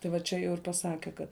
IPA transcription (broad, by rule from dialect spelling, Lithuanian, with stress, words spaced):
tɐɪ ʋɐ ˈt͡ʃʲɛ jɛʊ ɪr pɐˈsɑːkʲɛ ˈkɐt